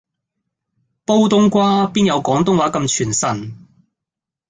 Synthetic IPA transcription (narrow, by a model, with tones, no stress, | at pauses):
po˥wt̪ʊ˥ŋkʷaː˥piː˥njɐ˨˧wkɔː˨˥ŋt̪̬ʊ˥ŋwaː˨˥kɐ˧mt͡ʃʰyː˨˩nsɐ˨˩n